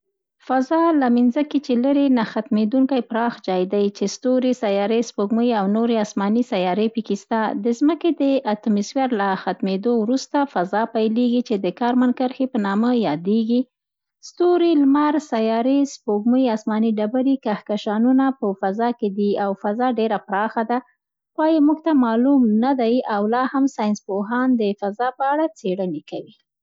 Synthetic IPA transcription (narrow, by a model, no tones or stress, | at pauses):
fazɑlaminzaket͡ʃeləɾenaxat̪med̪uŋkajpɾɑxd͡ʒɑjd̪ajt͡ʃest̪oɾisajɑɾespoɡməjawnoɾeasmɑnisajɑɾepikist̪ad̪əzməked̪əʔat̪ʊmiswjaɾlaxat̪med̪owɾust̪afazɑpajleɡit͡ʃed̪əkɑɾmankəɾxepənɑməjɑd̪eɡi | st̪oɾilmaɾsajɑɾispoɡməjɑsmɑniɖabaɾikahkaʃɑnunapəfazɑked̪iawfazɑɖeɾapɾɑxad̪a | xwɑjamuɡt̪amɑlumnad̪ajawlɑhamsɑjɪnspoɦɑnd̪əfazɑpəaɽat͡seɽənekawi